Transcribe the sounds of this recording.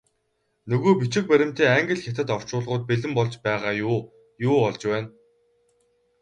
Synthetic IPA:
nɵɣoːpit͡ɕɪ̆k̚pæɾʲɪ̆m̥t̪eːaŋɡɘ̆ɮxʲat̪ɘ̆t̪ɔw̥t͡ɕʊːɮʁʊːt̪̚peɮɘ̆mpɔɮt͡ɕpæːʁaːjʊː | jʊːɔɮt͡ɕpæːn

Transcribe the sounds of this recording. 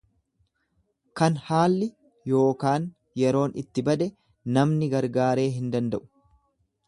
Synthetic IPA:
kɐnhaːlːɪ | jo̞ːkaːn | jɛɾo̞ːnɪt̪ːɪbɐd̪ɛ | nɐmnɪɡɐɾɡaːɾe̞ːɦɪnd̪ɐnd̪ɐʔʊ̥

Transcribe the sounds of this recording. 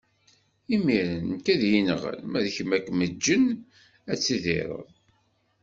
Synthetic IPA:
imiɾənkæðjinʁə̰lmæðçmækʷːməd͡ʒːən | æt͡sːiðɪ̰ɾˤə̰ðˤ

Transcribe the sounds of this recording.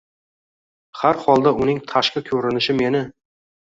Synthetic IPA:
haɾhɒlˠd̪aʊnɪŋt̪ʰaʃkʲakʲʰɵɾɪnɪʃɪme̞nɪ

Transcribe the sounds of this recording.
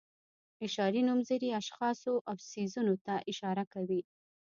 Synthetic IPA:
fɪʃɑɾinumzəɾiaʃxɑsoʔawsizunot̪aʔɪʃɑɾakawi

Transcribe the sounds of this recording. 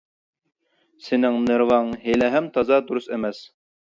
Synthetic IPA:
sɪnɪŋnɨɾvɑŋɦelɛɦɛmt̪ʰɑzɑd̪uɾusɛmɛs

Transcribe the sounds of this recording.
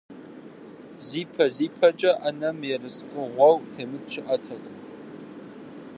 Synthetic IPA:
ziːpʰɐziːpʰɐt͡ʃʼɐʔɐnɐmjɛrɨsqʼɨʁʷɔwtʰeːmɨtɕʰɪʔɐtʰɐχʼ

